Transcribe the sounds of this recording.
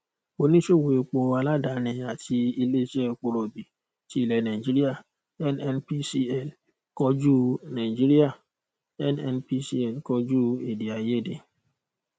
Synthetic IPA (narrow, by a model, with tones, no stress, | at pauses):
o˨nĩ˦so˦˨we˨e˨k͡po˨a˨la˦da˨˦nɪ̃˨a˨ti˦i˦le˦t͡ʃɛ˦k͡po˨ɾo˨bi˨ | ti˦˨lɛ˨na˨i˨d͡ʒi˦ɾi˦a˦˨ | ɛ˦nɛ˦npi˦si˦ɛ˦˨l | kɔ˦d͡ʒu˦na˨d͡ʒi˦ɾi˦a˦˨ | ɛ˦nɛ˦npi˦si˦ɛ˦˨lkɔ˦d͡ʒu˦e˨di˨a˨je˦˨de˨